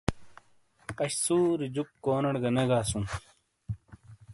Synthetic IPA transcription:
ɐɕsuːɾid͡ʑukːoːnɐɽɡɐneɡaːsun

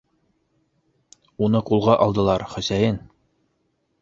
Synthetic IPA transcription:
unɤqulˠʁɑʔɒlˠd̪ɤ̆lˠɑɾχɵ̆sæjɘn

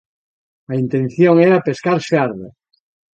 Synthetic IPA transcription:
aint̪ẽnθjoŋeɾapeskaɾseaɾða̰

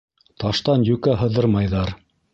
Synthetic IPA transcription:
t̪ɑʃt̪ɑnjʉkæɦɤ̆ðɤɾmɑjðɑɾ

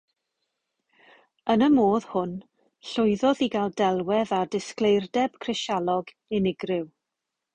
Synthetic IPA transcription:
ənəmoːð̥hʊn | ɬʊɨðɔðiɡalˠdɛlˠwɛðadɪsklejrdɛb̥kʰrɪʃalˠɔɡ | ɪnɪɡrɪw

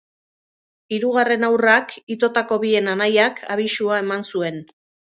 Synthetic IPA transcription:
iɾuɣ̞are̞nawrakit̪o̞t̪ako̞βie̞nanajakʰa̰β̞isuae̞mansue̞n

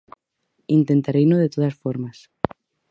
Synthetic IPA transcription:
int̪ent̪aɾejnoð̞et̪oð̞asfoɾmas

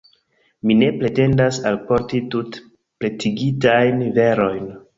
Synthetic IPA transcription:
mine̞pɾe̞te̞ndasalpo̞ɾtitut | pɾe̞tiɡitajnve̞ɾo̞jn

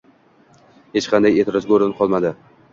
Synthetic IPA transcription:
het͡ʃqʰɑnd̪ajet̪ʰɪɾɒzɡʲoɾɪnqʰɒlˠmad̪ɪ

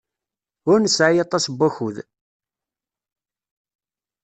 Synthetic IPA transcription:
ʊɾnəsʕajɑt̪ˤːɑsbːæçuð

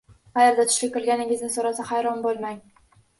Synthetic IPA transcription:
χajaɾd̪at̪ʰʊ̥ʃlʲɪkɪɾˠɡʲanɪŋʲɪznɪsoɾasahajɾɒnbolˠmaŋ

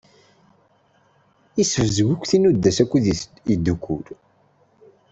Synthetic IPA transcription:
isəvəzɡʷukʷːθinud̪ːæsækʷːuð | id̪ːukʷːuɾ

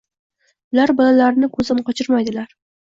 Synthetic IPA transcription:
ʊlaɾbɒlalaɾnɪkʰɵzɪnqɒt͡ʃʰɪɾmajd̪ɪlaɾ

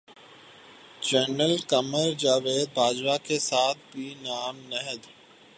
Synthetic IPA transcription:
d͡ʒənəlkəməɾd͡ʒaːʋeːd̪̚bʱaːd͡ʒʋakesaːt̪̚ʰbʱiːnaːmnəɦəd̪

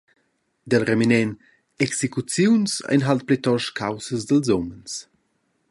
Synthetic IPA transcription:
d̪əlrɛminɛn | ɛksekut͡sjunsa̰jnɦalt̪̚plɛt̪ɔʃkʰawsəzd̪əlzɔməns

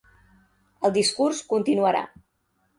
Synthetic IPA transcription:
əlˠd̪iskurskunt̪inuəɾa̰

